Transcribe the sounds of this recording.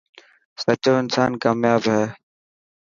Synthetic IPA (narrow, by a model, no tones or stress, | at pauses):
sət͡ʃoːɪnsaːnkaːmjaːbɦɛː